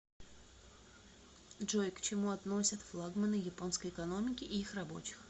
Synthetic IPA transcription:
ʐojkt͡ɕɪmuɐt̪no̞sʲət̪flˠaɡmənɨjɪpo̞nskəjɪkɐno̞mʲɪkʲɪʔɪixrɐbo̞̰t͡ɕɪ̥x

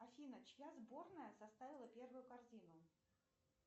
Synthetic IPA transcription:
ɐfʲinət͡ɕjazbo̞rnəjəsɐst̪avʲɪlˠəpʲe̞rvʊjʊkɐrzʲinʊ

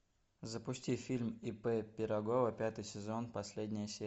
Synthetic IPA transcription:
zəpʊsʲtʲifʲilʲmɪpɛpʲɪɾɐɡo̞vəpʲat̪ɨjsʲɪzo̞npɐsʲlʲedʲnʲɪjəsʲe

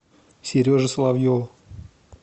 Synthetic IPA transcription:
sʲɪɾʲoʐɨsəlˠavjo

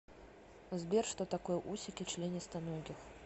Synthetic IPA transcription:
zʲbʲɛrʂt̪ɔt̪akɔjʔusʲikʲit͡ʂlʲenʲist̪ɐnɔɡʲix

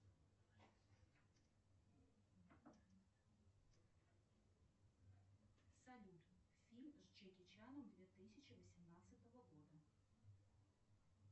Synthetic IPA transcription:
sɐlʲut̪ | fʲilʲmzt͡ɕekʲɪt͡ɕanəmd̪vʲet̪ɨsʲɪt͡ɕɪvəsʲɪmnat̪sɨt̪əvəɡod̪ə

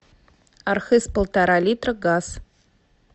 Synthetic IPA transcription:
arxɨspolˠtʰaɾalitrɡaz

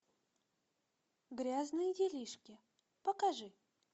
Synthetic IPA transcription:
ɡɾʲaznɨjdʲɪlʲiʂkʲɪ | pəkaʐɨ

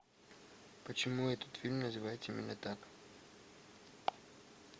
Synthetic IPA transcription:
pɐt͡ʃɛmuɛt̪ot̪filʲmnɐzivaɛt̪iminɛt̪ak

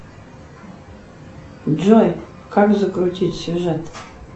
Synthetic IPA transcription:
d͡ʒoj | kʰakzəkʼrutʰʲitʲsjuʒɛt

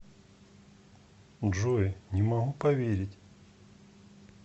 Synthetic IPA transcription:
ʐoɪnʲɪmɐɦupɐvʲeɾʲɪtʲ

